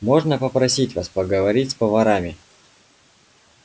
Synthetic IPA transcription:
mo̞ʐnəpəpɾɐsʲitʲvaspəɡəvɐɾʲitʲspəvɐɾamʲɪ

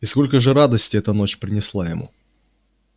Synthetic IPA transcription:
isko̞lʲkəʐɨɾad̪əsʲtʲɪɛt̪əno̞t͡ɕpɾʲɪnʲɪslˠajɪmṵ

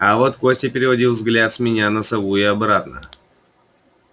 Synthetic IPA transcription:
ɐvot̪ko̞sʲtʲɪpʲɪɾʲɪvɐdʲilˠvzɡlʲat̪sʲmʲɪnʲanəsɐvuɪɐbɾat̪nə̰

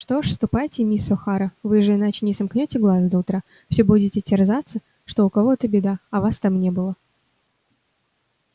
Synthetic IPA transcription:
ʂt̪o̞ʂst̪ʊpajtʲɪmʲisɔxaɾəvɨʐɨɪnat͡ɕɪnʲɪsɐmknʲotʲɪɡlˠazd̪ɐʊt̪ɾa | fsʲɵbudʲɪtʲɪtʲɪrzat̪sːə | ʂt̪o̞ʊkɐvo̞ɛt̪əbʲɪd̪aɐvast̪amnʲe̞bɨlˠə

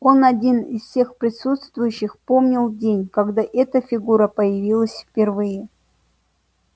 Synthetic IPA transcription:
o̞nɐdʲinɪsfsʲe̞xpɾʲɪsut̪st̪vʊjʉɕːɪxpo̞mnʲɪlˠdʲenʲkɐɡd̪aʔɛt̪əfʲɪɡuɾəpəjɪvʲilˠəsʲfpʲɪrvɨjɪ

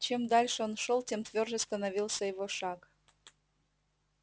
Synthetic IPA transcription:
t͡ɕemd̪ɑlʲʃəonʃolˠtʲemt̪vʲørʒəst̪ənɐvʲilˠsəjeɣoʃɑk

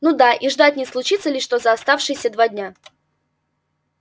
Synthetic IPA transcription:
nud̪aʔiʐd̪atʲnʲɪslˠʊt͡ɕit̪səlʲɪʂt̪o̞zəɐst̪afʂɨjsʲəd̪vadʲnʲa

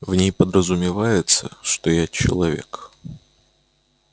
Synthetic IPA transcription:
vnʲejpəd̪ɾəzʊmʲɪvajɪt̪səʂt̪ojat͡ɕɪ̰lˠɐvʲḛk

